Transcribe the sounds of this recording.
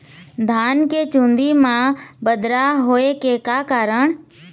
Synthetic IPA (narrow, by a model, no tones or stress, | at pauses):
d̪ʱaːnket͡ʃũːnd̪imãbəd̪ɾaɦoːekekaːkaːɾəɳ̃